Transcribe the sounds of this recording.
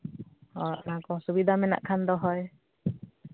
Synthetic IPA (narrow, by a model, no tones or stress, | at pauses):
hɔɾɔ̰ʔnakɔsubid̪ʱamɛna̰ʔkʰand̪ɔɦɔj